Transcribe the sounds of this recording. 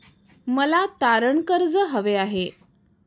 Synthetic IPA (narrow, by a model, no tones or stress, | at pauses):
məlat̪aɾəɳkəɾd͡zəɦəʋeaɦe